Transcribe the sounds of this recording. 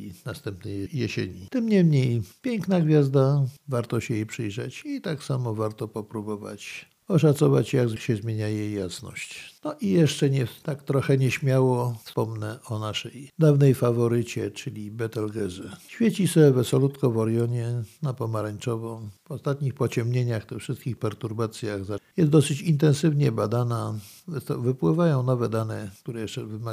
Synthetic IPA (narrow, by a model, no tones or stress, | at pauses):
inast̪ɛmpnɛjjɛɕḛɲit̪ɘmɲɛmɲejpʲjɛŋknaɡvʲjazd̪avaɾt̪ɔɕɛjejpʂɘjʐɛ̰t͡ɕit̪aksamɔvaɾt̪ɔpɔpɾubɔva̰t͡ɕ | ɔʂat̪sɔva̰t͡ɕjaɡzkɕɛzmʲjeɲajɛjːasnɔ̰ɕt͡ɕnɔʔijɛʂt͡ʂɛɲɛt̪akt̪ɾɔxɛɲɛɕmʲjawɔfspɔmnɛʔɔnaʂɛjd̪avnɛjfavɔɾɘt͡ɕɛt͡ʂɘlʲibɛt̪ɛlɡɛzɛɕfʲjɛt͡ɕisɛvɛsɔlut̪kɔvɔɾjɔɲɛnapɔmaɾaɲt͡ʂɔvɔmvɔst̪at̪ɲixpɔt͡ɕɛmɲeɲaxt̪ɪxfʂɘst̪kʲixpɛɾt̪uɾbat̪sʲjaɣzajɛst̪d̪ɔsɘt͡ɕint̪̬ɛnsɘvɲɛbad̪anavvɘpwɘvajɔ̃w̃nɔvɛd̪anɛk̚t̪uɾɛjɛʂt͡ʂɛvɘma